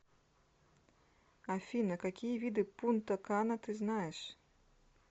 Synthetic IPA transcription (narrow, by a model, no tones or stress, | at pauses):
afʲinɐkakʲijɐvʲid̪ɨpunt̪ɐkanɐt̪ɨznajɛʂ